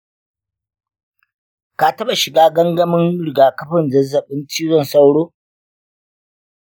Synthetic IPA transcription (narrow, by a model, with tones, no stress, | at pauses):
ka˨tɐ˦ɓa˨ʃɪ˨ɡaː˦ɡɐ˦ŋɡɐ˦mɪ˦ŋɽɪ˨ɡaː˨kɐ˦ɸɪ˨nzɐ˦zːɐ˨ɓɪ˦ntiː˦zɔ˦˨nsa˦wɽoː˦